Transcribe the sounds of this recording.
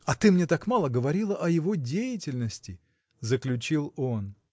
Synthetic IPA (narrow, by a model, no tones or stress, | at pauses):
ɐt̪ɨmnʲe̞t̪akmalˠəɡəvɐɾʲilˠəʔɐjɪvo̞dʲejɪtʲɪlʲnəsʲtʲɪ | zəklʲʉt͡ɕilˠo̞n